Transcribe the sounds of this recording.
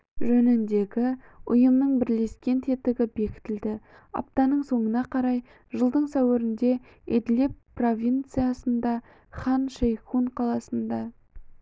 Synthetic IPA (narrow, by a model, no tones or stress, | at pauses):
ʒɵnɪnd̪e̞ɡʲɪ | ʊjəmnəɴbɪɾle̞skʲe̞nt̪ʰe̞t̪ɪɡʲɪbe̞kʲɪ̥t̪ɪld̪ɪ | ɑ̰p̚t̪ɑnəɴso̞ɴənɑqʰɑɾɑj | ʒəlˠd̪əɴsæwɪɾɪnd̪e̞ | ḛd̪le̞pːro̞vʲijnt̪sɨjasənd̪ɑ | χɑnʃejχuɴqʰɑlˠɑsənd̪ɑ